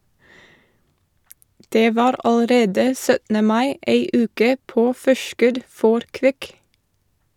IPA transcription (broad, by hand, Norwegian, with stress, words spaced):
ˈdeː ˈʋɑːɾ ɑləˈɾeːdə ˈsœtn̩ə ˈmɑɪ ˈeɪ ˈʉːkə ˈpoː ˈfɔʃkʉd ˈfɔɾ ˈkʋɪk